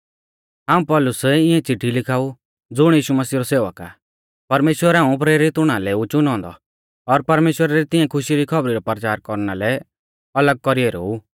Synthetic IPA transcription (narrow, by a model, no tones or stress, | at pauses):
ɦaːũpɔlʊsɛɪɛ̃t͡siʈʰːilɪkʰaːu | d͡zʊɽ̃jiːʃumɐsiːɾɔseːʋəka̰ | pɐɾmeːʃwəɾaːũp̬ɾeːɾɪt̪ʊɽ̃alɛut͡ʃʊnɔ̃ːnd̪ɔ̰ | ɔɾpɐɾmeːʃwəɾaɾit̪ɪɛ̃kʰʊʃiɾikʰɔbɾiɾɔpəɾt͡ʃaːɾkɔɾnalɛ | ɐləɡ̚kɔɾieɾo̰u